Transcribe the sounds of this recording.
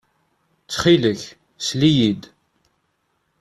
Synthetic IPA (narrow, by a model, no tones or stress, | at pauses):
t͡sːχiləç | slijid̪